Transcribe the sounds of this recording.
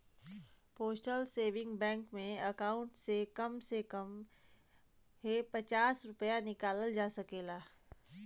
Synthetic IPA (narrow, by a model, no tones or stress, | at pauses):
poːsʈəlseːʋɪ̃ŋɡbɛ̃ːŋkmẽɐkaːʊ̃ɳʈsekɐmsekəm | ɦepɐt͡ʃaːsɾʊpəjanɪkaːləld͡ʒaːsɐkeːlaː